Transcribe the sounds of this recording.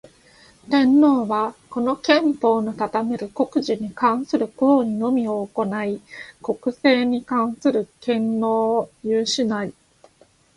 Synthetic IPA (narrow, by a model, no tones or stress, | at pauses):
t̪ẽ̞nːo̞ːβako̞no̞kẽ̞mpo̞ːnot̪at̪ame̞ɾɯ̟ko̞kɯ̟ʑiɲ̟ikãɰ̃sɨɾɯ̟ko̞ːɲ̟ino̞mʲio̞ːko̞naiko̞kɯ̟se̞ːɲ̟ikãɰ̃sɨɾɯ̟kẽ̞nːo̞ːjɯːɕinai